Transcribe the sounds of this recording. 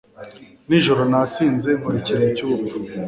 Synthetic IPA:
niʒo̞ɾonat͡siːnze̞muɾiciɾecubu

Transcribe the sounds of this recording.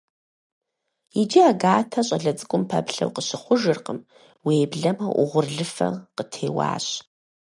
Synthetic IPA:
id͡ʒiaɡaːtʰɐɕʼɐɮɐt͡sʼɨkʷʼʊmpʰa̰pɬɐ̰wqəɕɪχʷʊʒɨrqəm | weːbɮɐmɐʔʷʊ̰ʁʷʊrɮɨfɐ̰qətʰeːwa̰ːɕʼ

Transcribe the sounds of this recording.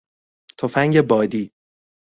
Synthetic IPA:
t̪ʰofæŋɟebɒːd̪iː

